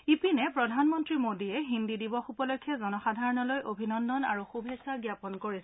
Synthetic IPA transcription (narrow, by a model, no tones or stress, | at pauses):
ipinɛpɹɔdʱanmɔntɹimodiɛɦindidibɔxupɔlojkʰːjɛzɔnɔxadʱaɹɔnɔlojʔobʱinɔndɔnaɹuxubʱesaɡjapɔnkoɹisɛ̥